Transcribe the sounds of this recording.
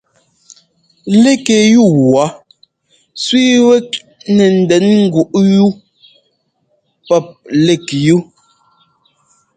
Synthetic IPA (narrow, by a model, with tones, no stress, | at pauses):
le˦ke˨ju˦˨wwa˨˦ | sɥi˦wɛ˦k̚ | nɛ˨n̩˨dɛ˨˦nŋ̩˦ɡu˨ʔju˦ | pɛ˦˨p̚le˦˨kju˦